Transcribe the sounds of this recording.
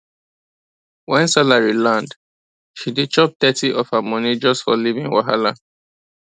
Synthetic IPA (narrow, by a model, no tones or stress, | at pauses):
wɛ̃nsalaɹilãnd | ʃidet͡ʃɔp̚t̪ɛtiʔɔfhamɔnid͡ʒɔstfɔ̰livĩŋwa̰ɦalã